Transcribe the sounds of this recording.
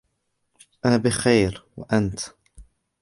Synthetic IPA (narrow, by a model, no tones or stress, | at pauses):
ʔaːbɪxajɾwa̰ʔant̪